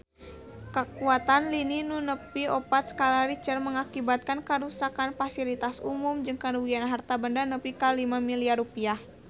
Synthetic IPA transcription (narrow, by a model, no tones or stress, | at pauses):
kəkuat̪anlininunəpiɔpat̪skalaɾit͡ʃərməŋakibat̪̚kankəɾusakanfasilit̪asumumd͡ʒɨŋkənuwianɦart̪abəndanəpikalimamiliarupiah